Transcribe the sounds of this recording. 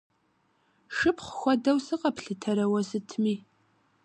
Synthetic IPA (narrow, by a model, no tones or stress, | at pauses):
ʂɨpχʷxʷɔdɐwsɨqɐpɬɨtʰɐɾɐwɐsɨtʰmiː